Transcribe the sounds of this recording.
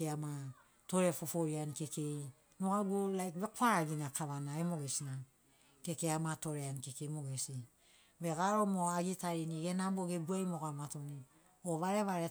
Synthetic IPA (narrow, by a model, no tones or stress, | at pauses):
eama | to̞ɾe̞fofoɾianke̞ke̞j | noɡaɡolajkβe̞koaɾaɡinakʰaβanaemoɡesina | ke̞keamato̞ɾeankekemoɡesi | βeɡaɾo̞moaɡitaɾiniɡenamboɡeɡuajmoɡamatoni | oβaɾe̞βaɾe